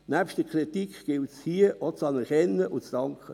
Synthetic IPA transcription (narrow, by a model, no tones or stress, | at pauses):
næːpʃtəkʰɾitikɡ̥ɪltshiːəot͡sɑnɛɾkɛnːəʔʊnt͡sd̥ɑŋkʰə